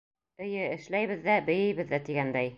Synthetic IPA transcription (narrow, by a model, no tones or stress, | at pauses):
ɘ̆jɘɘ̆ʃlæjβɘðːæbɘ̆jɘ̆jβɘ̆ðːæt̪iɡænd̪æj